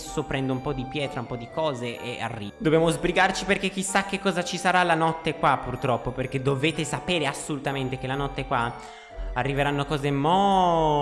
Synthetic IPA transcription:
sopɾɛnd̪oumpɔd̪ipjɛːt̪ɾaumpɔd̪ikɔːzeʔea̰rːḭːd̪objaːmozbɾiɡart͡ʃiperkek̟ːisːak̟ːekːɔːzat͡ʃisaɾalanɔt̪ːekwapːurt̪ɾɔpːoperked̪ːoveːt̪esapeːɾeasːolut̪ament̪ekelanɔt̪ːekwa | arːiveɾanːokɔːzemɔ

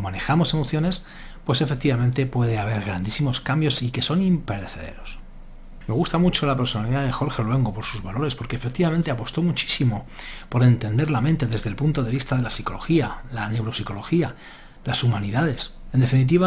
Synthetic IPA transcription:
mane̞xamo̞se̞mo̞θjo̞ne̞s | pwe̞se̞fe̞k̚t̪iβamẽ̞nt̪e̞pwe̞ð̞eaβ̞e̞ɾɣ̞ɾand̪isimo̞skambjo̞sike̞so̞nimpe̞ɾeθe̞ðe̞̰ɾo̞s | me̞ɣust̪amut͡ʃo̞lape̞ɾso̞naliðaðe̞xo̞ɾxe̞olwe̞ŋɡo̞po̞ɾsuzβalo̞ɾe̞spo̞ɾkeːfe̞k̚t̪iβament̪e̞apo̞st̪o̞mut͡ʃi̥simo̞po̞ɾe̞nt̪e̞nd̪e̞ɾlamẽ̞nt̪e̞ðe̞zðe̞lpunt̪o̞ðe̞βist̪aðe̞lasiko̞lo̞xialane̞wɾo̞siko̞lo̞xia | lasumaniðaðe̞send̪e̞finit̪̬iβa

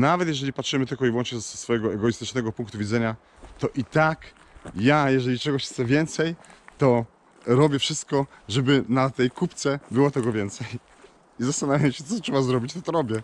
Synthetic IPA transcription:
navɛt̪jɛʐɛlʲipatʂɘmɘt̪ɘlkɔivwɔ̃nt͡ʂɲɛd̪sfɔjɛɡɔɛɡɔjist̪ɘt͡ʂnɛɡɔpuŋkt̪uvʲid̪zɛɲa | t̪ɔʔit̪ak | jajɛʐɛlʲit͡ʂɛɡɔɕxt̪sɛvʲjɛnt̪sɛjt̪ɔ | ɾɔbʲjɛfʂɘst̪̚kɔʐɛbɘnat̪ɛjkupt̪sɛbɘwɔt̪ɛɡɔvʲjɛnt̪sɛj | izast̪anavʲjamɕɛt̪sɔtʂɛbazɾɔbʲit͡ɕt̪ɔt̪ɔɾɔbʲjɛ

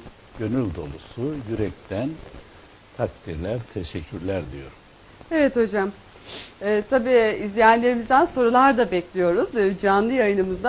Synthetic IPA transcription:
ɟ̥ø̞nylʲd̪o̞̰lˠusujyɾɛc̚t̪ʰæn | t̪ʰak̚t̪ʰiɾlʲæɾt̪ʰeʃɛcʰːyɾlʲæɾd̪ijo̞ɾum | e̞vɛt̪ho̞d͡ʒam | ɛːt̪ʰabiːizlʲejænlʲe̞ɾimizd̪ænso̞ɾulˠaɾd̪abɛclʲijo̞ɾuzd͡ʒanlˠɯjajɯnɯmɯzd̪a

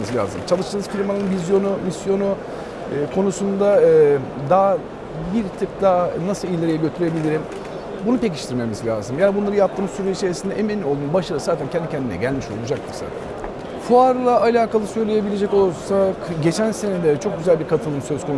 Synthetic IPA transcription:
ɯzlʲa̰ːzɯmt͡ʃʰalˠɯʃt̪ʰɯːnɯz̥filʲmanɯnvizjo̞numisjo̞nuː | kʰo̞nusund̪aːd̪aː | biɾt̪ʰɯk̚d̪anasɯlˠilʲːeɾejɛɟø̞t̪ʰyɾe̞bilʲiɾim | bunupe̞ci̥ʃt̪ʰiɾme̞mizlʲa̰ːzɯmjaːnʲibunlˠaɾɯjap̚t̪ʰɯːmsyɾeiʃeesind̪ɛʔeminlʲiolˠd̪unbaʃaɾɯzaːt̪ʰæncʰɛnd̪icʰɛnd̪inɛ̰ɟælʲmiʃo̞̰lˠud͡ʒak̚t̪ʰɯɾza̰ːt̪ʰæ̰n | fuaɾlˠaalʲaːkalˠɯsø̞jlʲe̞je̞bilʲe̞d͡ʒɛco̞lˠsakɟe̞t͡ʃʰænse̞ned̪ɛt͡ʃʰo̞k̚ɟyzælʲbiɾkʰat̪ʰɯlˠɯmsø̞zkʰo̞nu

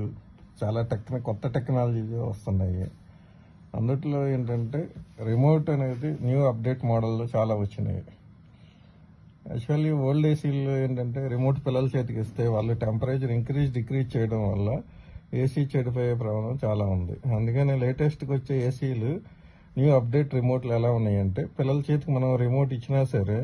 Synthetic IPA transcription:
u | t͡ʃaːlaːʈek̚t̪nɐkɔt̪ːɐʈeknaːlɐd͡ʒiːt̪oːʋɐst̪und̪ɐjḭ | ɐ̰nd̪ɐʈilo̞ːe̞ːɳʈɐɳʈe̞ːɾimoːʈɐne̞ːd̪injuːɐp̚ɖe̞ːʈmɔːɽɐlːoːt͡ʃaːlaːʋɐt͡ʃːinɐ̰jḭ | ɐ̰kt͡ʃːuɐliʋoːɭɖeːsiːllo̞ːe̞ːɳʈɐɳʈe̞ːɾimo̞ːɾʈpilːɐlut͡ʃe̞ːt̪̬ukist̪e̞ːʋaːɭːuʈempɐɾeːt͡ʃɐɾiŋkɾiːd͡ʒɖikɾiːt͡ʃɛjɐɽɐmʋɐ̰lːɐeːsiːt͡ʃeɽip̬oːjeːp̬ɾɐmɐnɐmt͡ʃaːlaːund̪ḭɐnd̪ukɐneːle̞ːʈesʈkʋot͡ʃːeːeːsiːlu | njuːɐp̚ɖe̞ːʈɾimo̞ːɾʈlɛlaːunːaːjɐɳʈe̞ːpilːɐlut͡ʃeːt̪ukumɐnɐmɾimo̞ːɾʈit͡ʃːinaːsɐɾeː

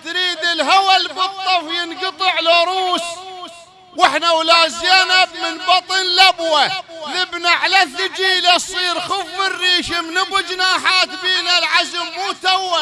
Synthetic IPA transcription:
t̪ɾiːd̪ɪlɦawalbɨt̪ˤːɑfjɪnɡɑt̪ˤɨʕlaɾˤuːs | wɪħnawlaːzjanabmɪnbɑt̪ˤɨnlabwalɪbnaʕalaθɪd͡ʒiːlasˤiːɾxʊfːɪrːiːʃamnɪbʊd͡ʒnaːħaːt̪biːnalʕazɪmːuːt̪awːa

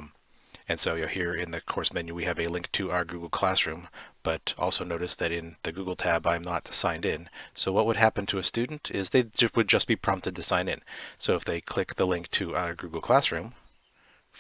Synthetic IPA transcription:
m | ɨ̃nsoʊjhiɹɪ̃nðɨkʰɔɹsmɛ̃njʉwiɨvɨlɪ̃ŋk̚tʰɨaʊə˞ɡʉɡl̩ˠkʰl̥æsɹʉ̃mb̥ʌɾʔɔ̰lˠsoʊnoʊɾɨsðɨɾɪ̃nðɨɡuɡl̩ˠtʰæbãɪ̃mnətsãɪ̃ndɪ̃nsoʊwʌt̚wəd̚ɦæpɨ̃n̩tʰɨɨstʉdⁿn̩tʰɪzðeɪd͡ʒʌwɨd̚d͡ʒʌsb̥ipʰɹ̥ɑ̃mp̚tɨd̚tʰɨsãɪ̃nɨ̰̃nsoʊəfðeɪkʰl̥ɪk̚ðəlɪ̃ŋk̚tʰɨaʊə˞ɡʉɡl̩ˠkʰl̥æsɹʉ̃m

